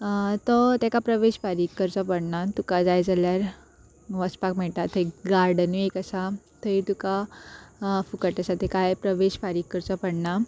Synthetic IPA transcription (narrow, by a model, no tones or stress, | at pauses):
t̪ɔt̪ɛkapɾəʋeɕfaɾikːəɾt͡sɔpəɽnat̪ukad͡zajd͡zaljaɾ | ʋəspakmɛɭt̪at̪ʰəikɡaɾɖəniekəsa | t̪əit̪uka | fukəʈəsat̪ɛkajpɾəʋeɕfaɾikːəɾt͡sɔpəɽna